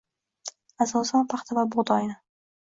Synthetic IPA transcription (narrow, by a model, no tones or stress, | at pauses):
asɒsɒnpʰaχt̪ʰavabʊʁd̪ɒjɪnɪ